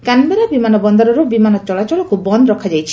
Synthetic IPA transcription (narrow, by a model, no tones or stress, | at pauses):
kanmaɾabimanɔbɔnd̪ɔɾɔɾɔbimanɔt͡ʃɔlat͡ʃɔɭɔkubɔnd̪ɔɾɔkʰad͡ʒajt͡ʃʰi̥